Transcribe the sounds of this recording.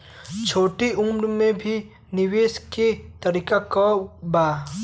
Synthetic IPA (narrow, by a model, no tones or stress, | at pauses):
t͡ʃʰoʈiumɾumebʱi | niwesket̪ɐɾikakɔba